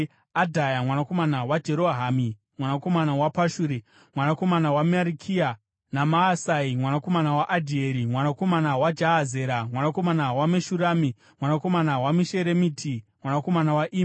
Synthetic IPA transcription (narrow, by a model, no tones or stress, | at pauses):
adʱajamwanako̞manawad͡ʒe̞ɾo̞ɦami | mwanako̞manawapaʃuːɾi | mwanako̞manawamaɾikʰia | namaːsaimwanako̞manawaʔadʱieɾimwanako̞manawad͡ʒaɦaze̞ːɾamwanako̞manawameʃuɾaːmi | mwanako̞manawamiʃe̞ɾemiːtʰimwanako̞manawaʔiːm